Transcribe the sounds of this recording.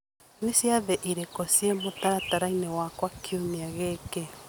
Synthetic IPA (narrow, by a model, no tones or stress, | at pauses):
nwisjaðɛʔiɾekosiemotaɾataɾainewakwakʰioniaɣeke